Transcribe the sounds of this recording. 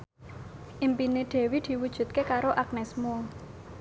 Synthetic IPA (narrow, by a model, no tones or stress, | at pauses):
ʔimpineɖ̪̥e̤wid̪̥i̤wud̥ʒ̥ṳt̪̚kekaɾoʔak̚nɛsmo